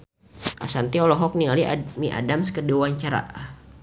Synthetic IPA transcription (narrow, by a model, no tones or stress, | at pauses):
ʔa̰sant̪iɔlɔɦɔk̚niŋalimiʔa̰damskədiwaɲt͡ʃaɾa̰ʔ